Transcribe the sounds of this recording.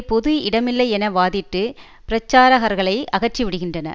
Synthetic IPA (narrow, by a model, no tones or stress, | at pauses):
pɔðɯɪɽɐmɪlːɐɪɛnɐʋaːðɪʈːɯ | pɪɾɐt͡ʃːaːɾɐɣɐɾɣɐɭɐɪʔɐɣɐrt͡ʃːiʋɪɽɯɣɪndrɐnɐ̰